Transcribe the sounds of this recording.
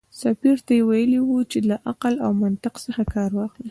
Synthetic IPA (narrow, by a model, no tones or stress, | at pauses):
safiɾt̪ajewajəliwut͡ʃelaʔaqalawmant̪ɪqsəxakɑɾwɑxli